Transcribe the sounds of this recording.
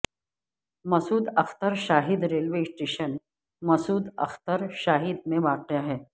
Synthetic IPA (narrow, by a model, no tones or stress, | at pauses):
mɐsuːd̪ɐxt̪əɾʃaːɦid̪ɾelʋesʈeɕən | mɐsuːd̪ɐ̰xt̪əɾɕaːɦid̪̚mẽʋaqjaɦɛː